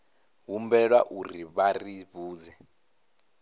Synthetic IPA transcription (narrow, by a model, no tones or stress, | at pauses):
ɦumbɛlwaʔuriβariβuːzɛ